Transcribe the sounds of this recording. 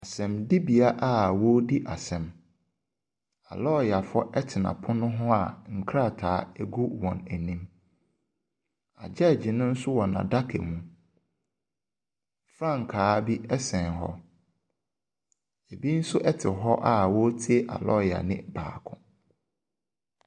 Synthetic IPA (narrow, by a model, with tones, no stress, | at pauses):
a˨sɛ̃˨mdi˦bi˨a˨˦ʔa˦˨wo˦di˦ʔa˨sɛ̃˨m | a˨lɔ˦ja˨fɔ˦ʔɛ˦tʰɪ˨nã̰˨pʰʊ˦nʊ̃˦ɦʊ̃˦a˨ŋ̩˨kʰɾa˦˨tʰaː˨˦ɛ˦˨ɡu˦wɔ̃˨næ˨nĩ˦m | a˨d͡ʑɛ˦˨d͡ʑi˨nʊ̃˦n̩˦sʊ˦wɔ˨nã̰˨da˦kʰḛ˨mũ˨ | fɾã˦˨ŋ˨kʰaː˨˦bi˦ɛ˦sɛ̃˨nɦɔ̰˦ | e˨bi˦n̩˦sʊ˦ʔɛ˦tʰɪ˨ɦɔ˦ʔa˦˨wɔ˦tʰi˦e˦ʔa̰˨lɔ˦˨ja̰˨nɪ̰̃˦ba̰ː˨kʰʊ̰̃˦